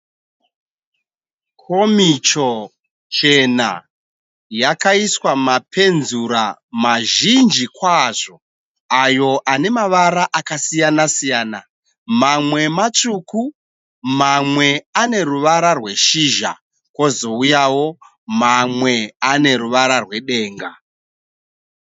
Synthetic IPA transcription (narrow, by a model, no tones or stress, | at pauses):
kʰo̞mit͡ʃo̞ | t͡ʃe̞na̰ | jakaiswamape̞nzuɾa̰maʒind͡ʒikwaʐo̞ | ajo̞ʔane̞maʋaɾaʔakasijanasijaːna | mamwe̞mat͡ʂuku | mamwe̞ane̞ruʋaɾarwe̞ʃiʒa̰ | kwo̞zo̞ujawo̞ | mamwe̞ane̞ɾuʋaɾarwe̞ɗe̞ːŋɡa